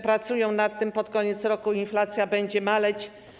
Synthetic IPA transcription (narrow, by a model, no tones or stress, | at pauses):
pɾat̪sujɔ̃w̃nat̪ːɘmpɔt̪kɔɲɛt̪sɾɔkuinflat̪sʲjabɛɲd͡ʑɛmalɛt͡ɕ